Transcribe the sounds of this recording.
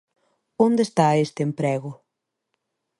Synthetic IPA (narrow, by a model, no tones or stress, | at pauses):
ond̪est̪aest̪eempɾɛɣʊ